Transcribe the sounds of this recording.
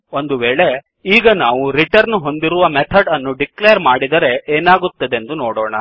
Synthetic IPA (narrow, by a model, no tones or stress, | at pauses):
o̞nd̪uʋeːɭe̞ | iːɡɐnaːʋuɾiʈɐɾnuɦo̞nd̪iɾuʋɐmet̪ʰɐɖɐnːuɖiklejɐɾmaːɽid̪ɐɾe̞ʔeːnaːɡut̪ːɐd̪end̪unoːɽoːɳɐ